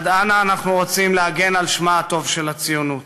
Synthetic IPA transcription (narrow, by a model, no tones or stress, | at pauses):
d̪anaːnaχnuʁot͡simleaɡe̞nalʃmaːt̪o̞vʃe̞lat͡sijunut̪